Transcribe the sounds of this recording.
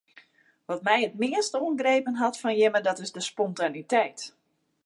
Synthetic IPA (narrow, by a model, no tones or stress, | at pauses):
ʋɔtmɛjətmɪəstuənɡreːpənɦɔtfɔnjɪmədɔtɪzdəspɔntanitɛjt